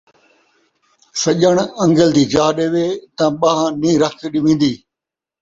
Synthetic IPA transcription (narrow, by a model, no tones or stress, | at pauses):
sɐʄəɽ̃ɐ̃ŋɡəld̪iːd͡ʒaːɗeːʋeːt̪ɐ̃ɓaːɦãːnĩːɾəkʰɗɪʋĩːn̆d̪iː